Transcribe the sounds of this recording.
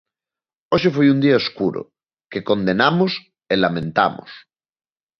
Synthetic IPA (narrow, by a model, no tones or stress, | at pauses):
oʃefojund̪iaoskuɾo̰ | kekond̪enamos | elamẽnt̪a̰mo̰s